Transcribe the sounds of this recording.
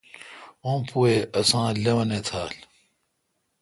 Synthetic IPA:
õːpueɐsãːlewɐnet̪ʰaːl

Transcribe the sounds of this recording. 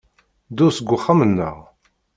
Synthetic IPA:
d̪ʊsəɡʷːʊχːəmənːə̰ʁ

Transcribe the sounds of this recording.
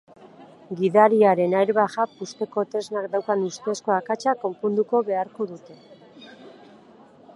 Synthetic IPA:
ɡiðaɾiaɾe̞najɾβaɣapust̪e̞ko̞t̪e̞znakd̪awkanust̪esko̞akat͡ʃako̞mpund̪uko̞βe̞aɾko̞ðut̪e̞

